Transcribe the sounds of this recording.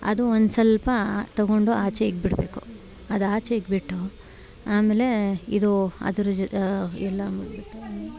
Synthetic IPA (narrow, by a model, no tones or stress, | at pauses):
ɐ̰d̪uond̪sɐlpɐt̪ɐɡoɳɖuaːt͡ʃejiɡ̚biɽbe̞ːku̥ | ɐd̪uaːt͡ʃeiɡbiʈːu | aːmeːle̞id̪uɐ̰d̪ɐɾud͡ʒɛlːɐmiɽbiʈːu